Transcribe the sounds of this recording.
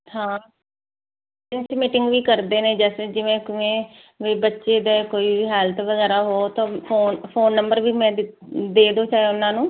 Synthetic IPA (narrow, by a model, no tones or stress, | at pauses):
hãː | ɪnsmɪʈɪŋɡʋiːkəɾd̪eːnẽːd͡ʒɛːsd͡ʒɪʋẽːkɪʋẽː | ʋeːbətːʃeːd̪eːkoːiːʋiːɦɛːlt̪ʰʋəɡɛːɾaːɦoːt̪ãːpʰoːnpʰoːnːəmbəɾʋiːmɛ̃ːd̪eːd̪oːt͡ʃaːeʊnːãːnũː